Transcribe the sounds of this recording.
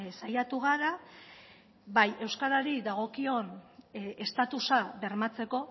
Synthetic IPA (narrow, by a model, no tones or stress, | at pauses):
sajat̪uɣ̞aɾa | βaje̞wskaɾaɾid̪aɣ̞o̞kio̞ne̞st̪at̪usaβe̞ɾmat͡se̞ko̞